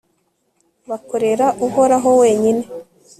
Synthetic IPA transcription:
βakoɾe̞ɾaʔuɦo̞ɾaɦo̞we̞ːɲine̞

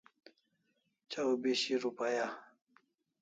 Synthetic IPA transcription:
t͡ʃawbeɕiɾupaja

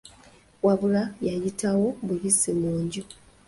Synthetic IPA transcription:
waβulajajitʰawo̞βujisimuːɲɟu

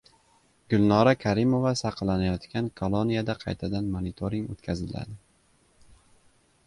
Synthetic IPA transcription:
ɡ̥ʊlˠnɒɾakʲʰaɾɪmo̞vasɑqʰlanajɒt̪kʲankʰolˠonijad̪aqʰɑ̰jt̪ʰad̪anmonit̪ʰoɾɪŋot̪kʲʰazɪla̰d̪ɪ

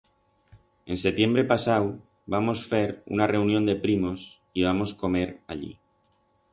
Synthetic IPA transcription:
e̞nset̪je̞mbɾe̞pasaw | bamo̞sfe̞ɾṵnare̞unjo̞nd̪e̞pɾimo̞s | iβamo̞sko̞me̞ɾa̰ʎḭ

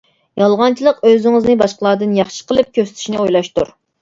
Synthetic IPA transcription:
jɑlˠʁɑnt͡ʃʰilˠəqøzɪŋɨznɨbɑʃqəlˠɑːd̪ɨnjɑχʃə̥qʰəlˠɨp̚kʲʰøsɪ̥t̪ʰy̥ʃnɪojlˠɑʃt̪uɾ

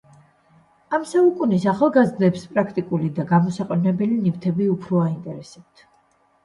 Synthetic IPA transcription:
amsaukʼunisaχalˠɡazɾd̪ɛpspʼɾakʰt̪ʼikʼulid̪aɡamɔsaqʼɛnɛbɛlinift̪ʰɛbiupʰɾɔaint̪ʼɛɾɛsɛp̚t̪ʰ

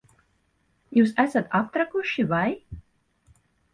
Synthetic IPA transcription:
juːs̬æsat̪ap̚t̪ɾakuʃivaj

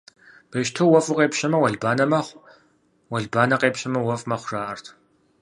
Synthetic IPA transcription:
b̥ɐʃtʰɐwɔfʼʊqʼeːpʃɐmɐwɐɮbaːnɐmɐχʷ | wɐɮbaːnɐqeːpɕɐmɐwɔfʼmɐχʷraːʔɐrtʰ

